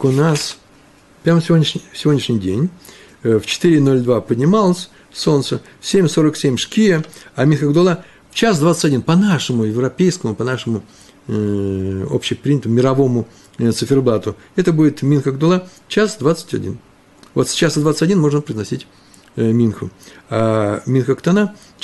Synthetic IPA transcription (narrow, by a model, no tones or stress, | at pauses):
kʊnas | pɾʲaməfsʲɪvodʲnʲɪʂnʲɪfsʲɪvʲonʲɪʂnʲɪjdʲenʲ | ft͡ɕɪ̥t̪ɨɾʲɪno̞lʲd̪vapədʲnʲɪmalˠəsʲ | so̞nt̪sə | sʲemʲso̞ɾəksʲemʲʂkʲijəamʲinxəɡd̪ʊlˠa | ft͡ɕasd̪vat̪sətʲɐdʲinpɐnaʂɨmʊjɪvɾɐpʲejskəmʊpɐnaʂɨmʊ | o̰pɕɪjpɾʲinʲət̪əmʊmʲɪɾɐvo̞mʊ | t̪sɨfʲɪrblˠat̪ʊ | ɛt̪əbudʲɪt̪mʲinxəɡ̚d̪ʊlˠa | t͡ɕasd̪vat̪sə̥tʲɐ̰dʲḭn | vo̞t̪sʲt͡ɕasd̪vat̪sə̥ɐdʲinmo̞ʐnəpɾəɪznɐsʲitʲ | mʲinxəamʲinxəkt̪ɐna